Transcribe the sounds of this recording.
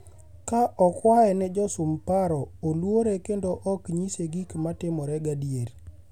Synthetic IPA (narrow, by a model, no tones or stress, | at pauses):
kaʔɔkwaɛnɛd͡ʒɔsʊmpaɾɔolwoɾekendoʔɔkɲiseɡikmatɪmɔɾɛɡadjeɾ